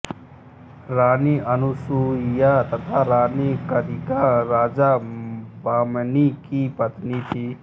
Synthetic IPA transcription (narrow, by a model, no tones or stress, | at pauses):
ɾaːniʔɐnusuijat̪ɐt̪ʰaɾaːnikəɾiɡaɾaːd͡ʒabaːmnikipɐt̪nit̪ʰiː